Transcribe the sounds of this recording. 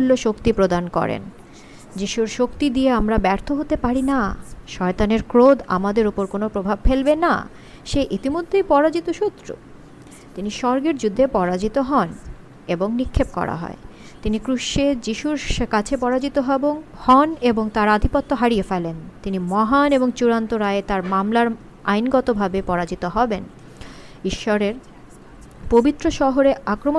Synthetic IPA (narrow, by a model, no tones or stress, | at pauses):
ulːoʃokt̪ipɾod̪ankɔ̰ɾḛn | d͡ʑiʃuɾʃokt̪id̪ieamɾabɛɾt̪ʰoɦot̪epaɾinaʃɔet̪aneɾkɾod̪a̰mad̪eɾopoɾkonopɾobʱab̚felbena̰ | ʃeʔit̪imod̪ʱːejpɔɾad͡ʑit̪oʃut̪ːɾo̰ | t̪iniʃɔɾɡeɾd͡ʑud̪ʱːepɔɾad͡ʑit̪oɦɔn | eboŋnikʰːep̚kɔ̰ɾa̰ɦɔ̰e | t̪inikɾuʃed͡ʑiʃuɾkat͡ɕʰepɔɾad͡ʑit̪oɦɔbohɔneboŋt̪aɾad̪ʱipot̪ːoɦaɾiefelent̪inimɔɦaneboŋt͡ɕuɾant̪oɾaeet̪aɾmamlaɾ | a̰jnɡɔt̪obʱabepɔɾad͡ʑit̪oɦɔben | iʃːɔɾeɾ | pobit̪ːɾoʃɔɦoɾeakɾomo